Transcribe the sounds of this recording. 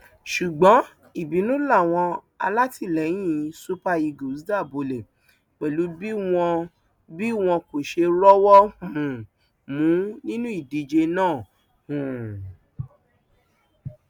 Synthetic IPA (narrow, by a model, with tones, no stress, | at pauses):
ʃu˨ɡ͡bɔ̃˨˦ | i˦˨bi˨˦nũ˦la˦˨w̃ɔ̃˧ | a̰˧la˦ti˦˨lɛ˨˦j̃ĩ˦˨su˦pa˧i˧ɡo˨˦da˦˨bo˧le˨ | k͡pɛ˨lu˨˦bi˦w̃ɔ̃˧ | bi˦w̃ɔ̃˧ko˨ʃe˧ɾɔ˦wɔ˦hũ˨ũ˨ | mũ˨˦nĩ˦nũ˦i˦˨di˨d͡ʒe˧nãː˦˨ | hũ˨